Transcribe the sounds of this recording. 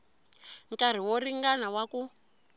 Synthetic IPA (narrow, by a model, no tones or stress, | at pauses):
ŋkʼar̤iwɔriŋɡanawaku